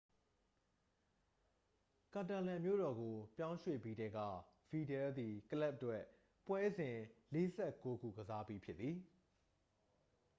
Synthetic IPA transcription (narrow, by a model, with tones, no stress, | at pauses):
kã˨ta˨lã˨mjo̰˦˨ɾɔ˨ɡo˨pjã˦ʊ̃ʃwḛ˦˨pi˦ɾɛ˦ɡä̰˦˨ | fi˨dɛ˨ld̪i˨kəla˦p̚twɛ˦˨ʔ | pwɛ˦zɪ̃˨le˦zɛ˦ʔko˦ɡṵ˦˨ɡəza˦pi˦pʰjɪ˦t̪ːi˨